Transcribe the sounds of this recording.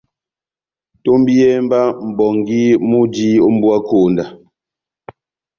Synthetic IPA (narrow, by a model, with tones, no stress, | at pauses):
to˦mbi˦jɛ˦mba˦m̩˨bɔ˨ŋɡi˦mu˦di˦o˦m̩˦bwa˦ko˨nda˨